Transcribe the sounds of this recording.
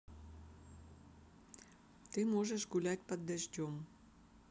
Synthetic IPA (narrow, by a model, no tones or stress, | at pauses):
t̪ɨmoʒəʃɡulʲætʲpəd̪ːəʒdʲom